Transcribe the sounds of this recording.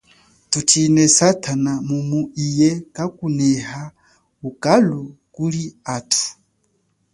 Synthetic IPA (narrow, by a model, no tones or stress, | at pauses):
tut͡ʃinɛsatʰanamumuʔijɛkakunɛha | ukalukuliatʰu̥